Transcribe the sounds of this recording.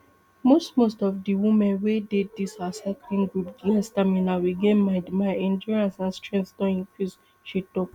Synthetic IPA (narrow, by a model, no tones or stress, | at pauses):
mostmostɔfdiwĩmɛ̃nweded̚disasaklĩnɡɹupdiɛstamĩnawiɡẽnmaɪɛ̃nd͡ʒɔɹiãnsãnstɹɛ̃ntsdɔ̃nĩŋkɹis | ʃitɔk